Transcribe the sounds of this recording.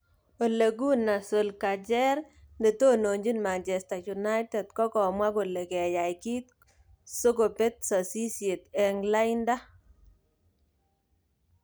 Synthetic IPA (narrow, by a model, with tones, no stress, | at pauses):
o˨le˨ɡ̬u˦na˨so˨lka˨d͡ʒɛ˦ɾnde˨to˦no˨ɲd͡ʒi˦nma˨nt͡ʃɛ˨sta˨ju˨na˦jtɛ˨dkɔ˦kɔ˨mwa˦ko˨le˨kɛ˨ja˨jki˦t̚ | so˦ko˨pe˦t̚sɔ˨si˦sje˨tɛ˨ŋla˦ɪnda˦